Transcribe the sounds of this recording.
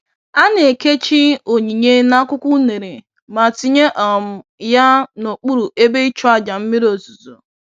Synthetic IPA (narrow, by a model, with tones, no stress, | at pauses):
a˦ne˨e˨ke˦t͡ʃi˦o˨ɲi˨ɲe˦na˦kʷʊ˦kʷʊ˦ne˨ɾe˨ | ma˨ti˦ɲe˦ʔɔ˨m̩˨ja˦no˨k͡pu˦ɾu˨ʔe˦be˦i˦t͡ʃɔ˦a˦d͡ʒa˨m̩˦mi˦ɾo˨zu˨zo˨